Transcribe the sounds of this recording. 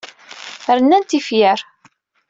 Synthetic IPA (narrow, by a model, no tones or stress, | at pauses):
ɾənːænt̪ifjəɾ